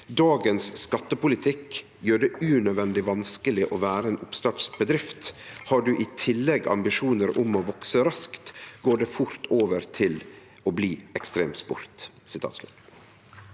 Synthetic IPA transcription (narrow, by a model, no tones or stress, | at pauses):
d̪ɑːɡənsːkɑt̪ːəpʊlɪt̪ʰɪkː | jøːɖɛʉnœd̪ʋɛnd̪ɪʋɑnskəlɪʔoːʋæːɾəeːnʊpst̪ɑʈsbəd̪ɾɪft̪hɑːɖʉʔɪt̪ʰɪlːɛɡɑ̰mbɪʃuːnəɾʊmoːʋɔksəɾɑskt̪ɡoːɖɛfʊɾt̪ʰoːʋəɾt̪ʰɪl | oːbliːɛkst̪ɾeːmspʊ̰ɾt̪sɪt̪ʰɑ̰ːt̪slʉ̰t̪